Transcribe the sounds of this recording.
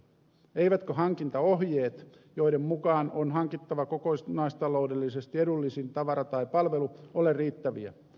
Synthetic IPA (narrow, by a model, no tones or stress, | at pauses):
eiʋæt̪køɦɑŋkint̪ɑoɦjeːt̪ | joidemmukɑːnonɦɑŋkit̪ːɑʋɑkokoisnɑist̪ɑloudelːisest̪iedulːisint̪ɑʋɑɾɑt̪ɑipɑlʋeluolerriːt̪ːæʋḭæ̰